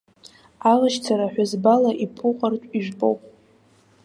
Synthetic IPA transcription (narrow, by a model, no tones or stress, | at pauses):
alaʃt͡sʰaɾaħʷᶣazbalaʔipʰʊqʼartʷʼiʒᶣbʼo̰wpʼ